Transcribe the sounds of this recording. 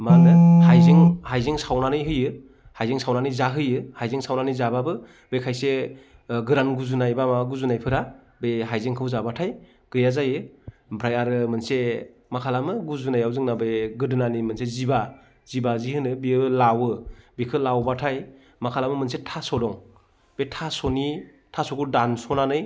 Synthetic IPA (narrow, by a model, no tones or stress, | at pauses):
maɾnɯhajziŋhajziŋsawnanɯjɦɯjɯ | hajziŋsawnanɯjzaɦɯjɯhajziŋsawnanɯjzababɯ | bekʰajse | ɡɯɾanɡuzunajbamaɡuzunajpʰɯɾa | beɦajziŋkʰɯwzabatʰaj | ɡ̥ɯjazajɯ | bʰɾajaɾɯmɯnse | makʰalamɯɡuzunajawzɯŋnabeɡɯdɯnanimɯnseziba | zibazihɯnɯbiɯlawɯbikʰɯlawbatʰaj | makʰalamɯmɯnsetʰasɔdɔŋ | b̥etʰasɔni | tʰasɔɡudansɔnanɯj